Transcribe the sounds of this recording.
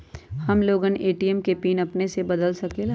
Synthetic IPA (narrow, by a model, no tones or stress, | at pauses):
hɐmloːɡəneːʈijəmkepiːnɐpnesebɐd̪əlsɐkel